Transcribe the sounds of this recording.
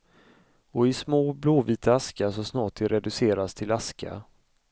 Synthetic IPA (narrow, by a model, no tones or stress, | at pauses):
ɔɪsmoːbloːviːt̪ʰaaskaʂɔsnɑːʈ̚ɪɾɛd̪ɵseːɾast̪ʰɪlaskʰa̰